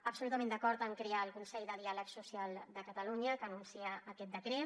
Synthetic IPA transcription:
əpsulut̪əmẽnd̪əkɔɾt̪əŋkɾeaəlˠkunsɛʎd̪əð̞ialəksusialˠd̪əkət̪əluɲəkənunsiəːkɛt̪d̪əkɾe

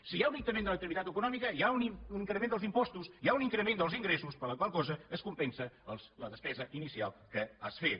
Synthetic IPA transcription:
sijaunik̚t̪əmẽnd̪ələk̚t̪əɾit̪at̪əkunɔmikəjauniuniŋkɾəmend̪əlˠzimpɔst̪usiauniŋkɾəmend̪əlˠziŋɡɾesuspəɾləkwalˠkɔzəəskumpɛnsəəlˠsləðəspɛzəʔinisia̰lˠkəasfet̪

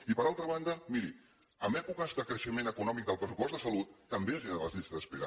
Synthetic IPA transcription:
ipəɾalˠt̪ɾəβ̞and̪əmiɾi | əmɛpukəzðəkɾəʃəmenəkunɔmik̚d̪əlˠpɾəsupɔst̪əsəlut̪ːəmbeəziələzʎist̪əspeɾa

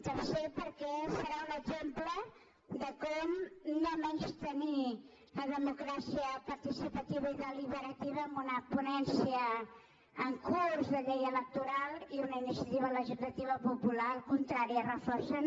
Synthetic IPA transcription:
t̪əsepəɾkɛsəɾaunəɡzemplə | ðəkɔmnomɛnst̪əni | ləðəmukɾasiəpəɾt̪isipət̪iβəiðəliβəɾət̪iβəːmbunəpunɛnsiəː | ŋkuzðəʎejələk̚t̪uɾalˠiunəinisjət̪iβələʒizlət̪iβəpupulalˠkunt̪ɾaɾiərəfɔrsan

